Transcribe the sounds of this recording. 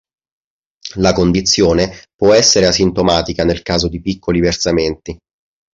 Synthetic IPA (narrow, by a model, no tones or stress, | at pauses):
lakond̪it̪sːjoːnepwɔɛsːeɾeasint̪omaːt̪ikanelkaːzod̪ipikːoliversament̪i